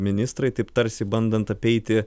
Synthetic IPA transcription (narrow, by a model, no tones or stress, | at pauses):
mʲɪnʲɪst̪ɾɐɪt̪ɐɪpt̪ɐɾʲsʲɪbɐnd̪ɐnt̪ɐpʲɛɪt̪ʲɪ